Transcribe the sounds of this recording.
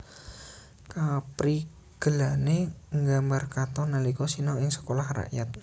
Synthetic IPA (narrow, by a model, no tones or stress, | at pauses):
kapɾi | ɡ̥əlaneŋɡambarkat̪ɔnalikɔsinɔɪŋsə̥kolahra̰ʔjat̪̚